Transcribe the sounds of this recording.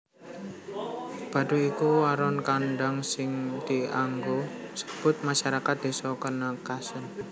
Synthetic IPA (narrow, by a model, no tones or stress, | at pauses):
b̥a̤d̪uikuaɾɔnkanɖaŋsɪŋt̪iaŋɡosə̥b̥ʊ̤t̪̚maʃaɾakat̪̚d̪̥e̤sɔkarnakasʊn